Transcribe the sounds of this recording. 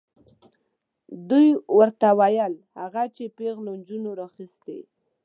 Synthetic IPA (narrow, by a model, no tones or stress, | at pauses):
d̪ujwəɾt̪awajəlhaɣat͡ʃepeɣlond͡ʒunoɾaxist̪ḛ